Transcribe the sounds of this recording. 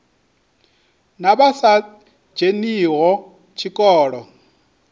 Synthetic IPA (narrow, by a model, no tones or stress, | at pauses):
naβasḁ | d͡ʒeniːɣɔ | t͡ʃʰikʼɔːɺɔ